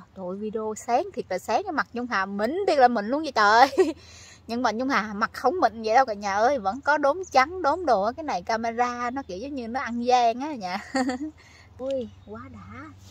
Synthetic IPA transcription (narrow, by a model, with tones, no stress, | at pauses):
t̪o̰˧˨jvi˧ɗi˧o˧sɛ˨˦ŋt̪ʰi˨˩ək̚laː˨˩sɛː˨˦ŋa˧˦ma˨˩t̚ɲʊ˧ŋ͡mɦaː˨˩mï˨˩ŋ̟ɗ̪i˧ək̚laː˨˩mï˨˩ŋ̟lu˧ənzə˧˨˩t̪əː˨˩j | ɲɨ̰˧ŋma˨˩n̚ɲʊ˧ŋ͡mhaː˨˩˨ma˨˩k̚xə˧wŋ͡mmï˨ŋ̟zə̰˧˨jɗə˧wka̰˧˨ɲaː˨˩ʔəː˧jvə̰˧˥nkɔ˨˦ɗo˨˦mt͡ɕa˨˦ŋɗo˨˦mɗo˨˩kaː˨˦jna˨˩jkaː˧ma˧zaː˧nɔ˨˦ki˧˩əwzə˨˦ŋ͡mɲɨ˧nɔ˨˦ʔa˧nzaː˧ŋʔaː˨˦ɲaː˨˩ | ʔu˧jkwaː˨˦ɗaː˧˥˦